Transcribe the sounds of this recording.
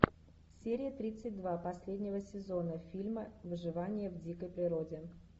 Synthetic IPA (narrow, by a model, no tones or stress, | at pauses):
sʲeɾʲɪjət̪ɾʲit̪sɨt̚ʲd̪vapɐsʲlʲedʲnʲɪvəsʲɪzo̞nəfʲilʲməvɨʐɨvanʲɪjəvdʲikəjpɾʲɪɾo̞dʲɪ